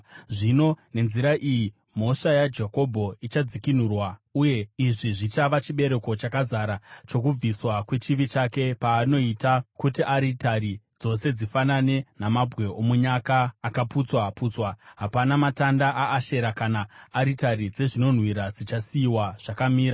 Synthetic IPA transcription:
ʐino̞ne̞nziɾaʔiji | mo̞ʂajad͡ʒeko̞bʱo̞it͡ʃad͡zikin̤urwauje̞iʐiʐit͡ʃaʋat͡ʃiɓe̞ɾe̞ko̞t͡ʃakazaɾat͡ʃo̞k̬ub͡viswakwe̞t͡ʃiʋit͡ʃake̞paːno̞itakutiʔaɾitaɾi | d͡zo̞se̞d͡zifanane̞namabʱwe̞omuɲakaːkaput͡swapuːt͡swaɦapanamatandaʔaʔːʃe̞ɾakanaːɾitaɾid͡ze̞ʐino̞n̤wiɾad͡zit͡ʃasiiwaʐ̥akamiːɾa

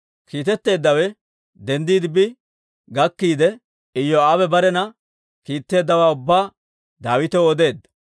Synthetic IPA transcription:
kiːt̪ɛt̪ːe̞ːd̪ːɐwɛ | d̪ɛnd̪iːd̪ɪbɪ | ɡɐkːiːd̪ɛ | ɪjːɔaːbɛbɐɾɛnɐ | kiːt̪ːe̞ːd̪ːɐwaːʊbːaː | d̪aːwɪt̪ɛɔd̪e̞ːd̪ːɐ̥

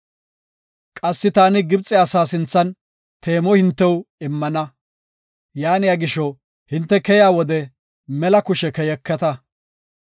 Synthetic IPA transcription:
kʼɐsːɪt̪aːnɪɡɪbt͡sʼːɪasaːsɪnt͡sːɐn | t̪ʰeːmɔhɪnt̪ːɛwɪmːɐnɐ | jaːnɪjaːɡɪʃɔ | hɪnt̪ːɛkɛjaːwɔd̪ɛ | mɛlɐkʊʃɛkɛjɛkːɛt̪ɐ

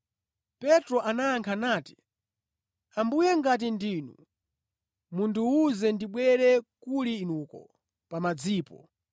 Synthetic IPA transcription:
pɛtɾɔʔanaːŋkʰanaːti̥ | ambujɛŋɡat̬indiːnṵ | munduuzɛndiɓwɛɾɛkuliːnukɔ̰ | pamad͡ziːpɔ̰

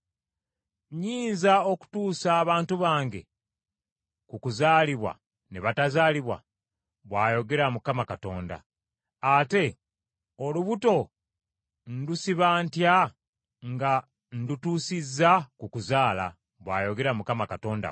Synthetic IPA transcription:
ɲiːnzao̞ku̥tuːsaːβaːntuβaːŋɡe̞̰ | kukuzaːliβwa̰ | neβatazaːliβwa̰ | βwaːjo̞ɡe̞ɾamukamakato̞ːnda̰ː | te̞ | oluβuto̞ | n̩dusiβaːntja | ŋɡa | n̩dutuːsizːakukuzaːla̰ | βwa̰ːjo̞ɡe̞ɾamukamakato̞ːnda̰

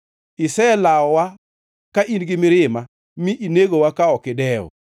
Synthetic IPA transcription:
ɪsɛlaɔwa | kaʔinɡɪmɪɾɪma | mɪʔineɡowakaɔkɪdɛɔ̰

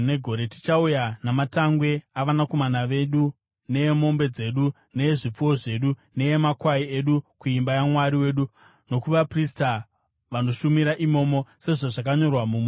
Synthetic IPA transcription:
ne̞ɡʱo̞ɾe̞ti̥t͡ʃaujanamataŋɡwe̞aʋanako̞manaʋe̞ɗu | ne̞jemo̞mbe̞d͡ze̞ɗu | ne̞jeʐip͡fuwo̞ʐe̞ːɗune̞jemakwaie̞ɗukuimbajamwaɾiwe̞ːɗu | no̞kuʋaprista | ʋano̞ʃumiɾaʔimo̞ːmo̞se̞ʐoʐakaɲo̞rwamum

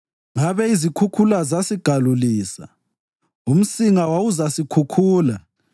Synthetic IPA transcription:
ŋaβɛizikʰukʰulazasiɡ̥ʱaluliːsa̰ | um̩siŋawawuzasikʰukʰuːla

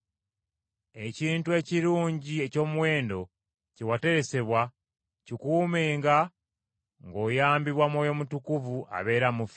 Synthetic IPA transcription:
e̞ciːntue̞ːciɾuːɲɟie̞co̞ːmuwe̞ːndo̞ | cewate̞ɾe̞se̞βwa | cikuːmeːŋɡa | ŋɡo̞ːjaːmbiβwamwoːjo̞mutukuvuʔa̰βe̞ːɾamuf

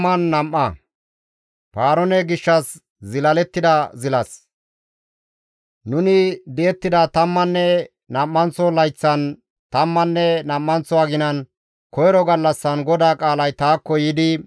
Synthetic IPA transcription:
ɐnːɐmːɐ | paːɾɔnɛɡɪʃːɐs | zɪlɐlɛt̪ːɪd̪ɐzɪlɐs | nʊnɪd̪ɛɛt̪ːɪd̪ɐt̪ɐmːɐnːɛ | nɐmːɐnt͡sɔlɐjt͡sːɐn | t̪ɐmːɐnːɛnɐmːɐnt͡sɔaɡɪnɐn | kɔjɾɔɡɐlːɐsːɐnɡɔd̪aːkʼaːlɐjt̪aːkːɔjɪd̪ɪ

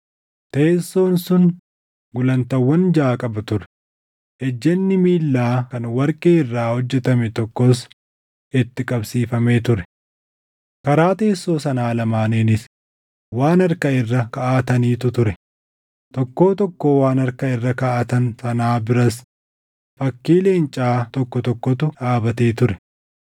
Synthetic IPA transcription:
t̪eːsːo̞ːnsʊn | ɡʊlɐnt̪ɐwːɐnd͡ʒaːkʼɐbɐt̪ʊɾɛ̥ | ɛd͡ʒːɛnːɪmiːlːaːkɐnwɐɾkʼeːɪrːaːhɔd͡ʒːɛt̪ɐmɛt̪ɔkːɔs | ɪt̪ːɪkʼɐbsiːfɐmeːt̪ʊɾɛ̥ | kɐɾaːt̪e̞ːsːo̞ːsɐnaːlɐmaːneːnɪs | waːnɐɾkɐɪrːɐkɐʔaːt̪ɐniːt̪ʊt̪ʊɾɛ | t̪ɔkːo̞ːt̪ɔkːo̞ːwaːnɐɾkɐɪrːɐkɐʔːt̪ɐnsɐnaːbɪɾɐs | fɐkːiːle̞ːnt͡ʃʼaːt̪ɔkːɔt̪ɔkːɔt̪ʊᶑaːbɐt̪e̞ːt̪ʊɾɛ

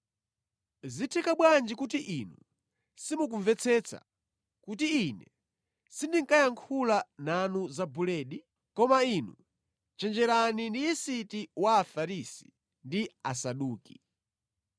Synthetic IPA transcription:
zitʰɛkaɓwand͡ʒikut̬iʔinu | simuk̬uɱvɛt͡sʰɛt͡sʰa̰ | kut̬iːnɛ | sindiŋkajaŋkʰulananuzabulɛɗi | kɔmainu | t͡ʃɛnd͡ʒɛɾanindiːsitiwaːfaɾisi̥ | ndia̰saɗuːki̥

